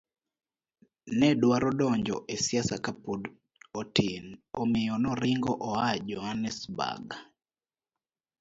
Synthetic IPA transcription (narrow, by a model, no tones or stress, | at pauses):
nɛdwaɾɔdɔɲd͡ʒɔ̰ʔesiasakapud | ɔtinomɪjɔnɔɾɪŋɡɔʔɔad͡ʒɔhanɛsba̰ɡa